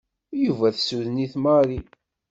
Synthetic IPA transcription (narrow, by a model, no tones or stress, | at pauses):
juvæθsuðniθmaɾi